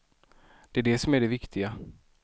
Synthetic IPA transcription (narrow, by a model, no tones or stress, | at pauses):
d̪̥ɛæɖɛsɔmæɖɛvɪkt̪ʰɪɡa